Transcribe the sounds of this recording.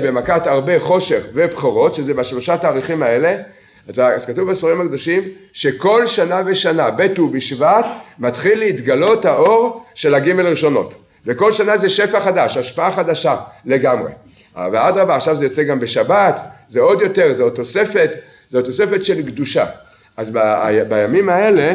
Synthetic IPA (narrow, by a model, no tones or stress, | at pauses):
bemakat̪aʁbe̞χo̞ʃe̞χve̞bχoʁo̞t̪ʃezebaʃlo̞ʃataːʁiχimae̞le̞ | azaz̥katuvbasfaʁimhakd̪o̞ʃimʃe̞ko̞lʃanave̞ʃanabetubiʃvat̪mat̪χilːeit̪ɡalo̞thaʔo̞ʁʃe̞laɡime̞lʁiʃo̞no̞̰t̪ | veko̞lʃanaze̞ʃe̞faχadaʃaʃpaaχad̪aʃale̞ɡamʁe̞̰ | vead̪ʁavaːχʃavzejo̞t͡seɡambeʃabat̪zeo̞d̪jo̞t̪e̞ʁzeot̪o̞se̞fe̞t̪ | zeot̪o̞se̞fe̞tʃe̞lɡd̪uʃa̰ | azba̰bajamimae̞le̞